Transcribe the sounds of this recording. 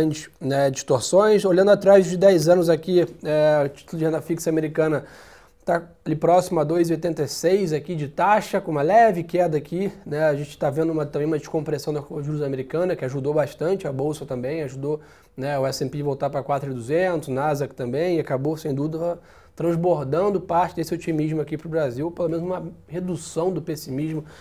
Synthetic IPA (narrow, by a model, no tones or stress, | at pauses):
t͡ʃɪ̥nɛd͡ʒiʃt̪oɾsõj̃solɐ̃nd̪ʊat̪ɾazd͡ʒɪd̪ɛjzɐ̃nʊzakiɛʊt͡ʃi̥t̪ulʊd͡ʒɪẽnd̪ɐfiksɐameɾikɐ̃nɐ | t̪aalipɾɔsimʊad̪ojzɪojt̪ẽnt̪ejsejzakid͡ʒɪt̪aʃɐkõũmɐlɛvɪkɛd̪ɐaːkʰinɛaʒẽnt͡ʃɪ̥t̪avẽnd̪ʊũmɐt̪ɐ̃mbẽj̃ũmɐd͡ʒɪʃkõpɾesɐ̃w̃d̪ɐviɾuz̃ameɾikɐ̃nɐkɪaʒud̪obaʃt̪ɐ̃nt͡ʃɪɐbowsɐt̪ɐ̃mbẽj̃aʒud̪o | nɛʊɛsẽmpevowt̪apɾɐkwat̪ɾʊɪd̪uzẽnt̪ʊznazakt̪ɐ̃mbẽj̃akabosẽj̃d̪ud̪ʊ | t̪ɾɐ̃zboɾd̪ɐ̃nd̪ʊpaɾt͡ʃɪd̪esɪot͡ʃimiʒmʊakipɾʊbɾaziwopelomẽnʊzũmɐhed̪usɐ̃w̃d̪ʊpesimiʒmʊ